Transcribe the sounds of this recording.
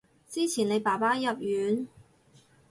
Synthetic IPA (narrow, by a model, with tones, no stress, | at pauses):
t͡siː˥t͡sʰiː˨˩ne˨˧jpaː˨˩paː˥jɐ˨p̚jyː˨˧n